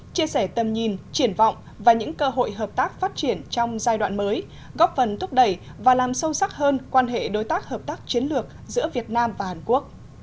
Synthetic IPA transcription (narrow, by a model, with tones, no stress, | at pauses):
t͡ɕi˧əsɛ˧˩t̪ə˨˩mɲi˨˩nt͡ɕi˧˩ənvɔ̰˧˨wŋ͡m | vaː˨˩ɲɨ̰˧˥ŋkəː˧ɦo̰˧˨jɦəː˨˩p̚t̪aː˦˥k̚faː˦˥t̚t͡ɕi˧˩ənt͡ɕɔ˧wŋ͡mzaː˧jɗwa̰ː˧˨nməː˨˦j | ɣɔ˦˥p̚fə˨˩nt̪ʰʊ˦˥k͡p̚ɗə˧˩jvaː˨˩laː˨˩msə˧wsa˦˥k̚həː˧nkwaː˧nɦḛ˧˨ɗo˨˦jt̪aː˦˥k̚həː˨˩p̚t̪aː˦˥k̚t͡ɕi˨˦ənlɨ˨˩ək̚zɨ̰˧˥əvi˨˩ət̚naː˧mvaː˨˩haː˨˩nku˦˥ək̚